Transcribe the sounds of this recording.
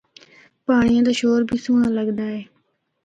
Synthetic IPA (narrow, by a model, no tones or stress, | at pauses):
paːɳɪjãːd̪aːʃoːɾbʱiːsuːnãːləɡd̪aːɦeː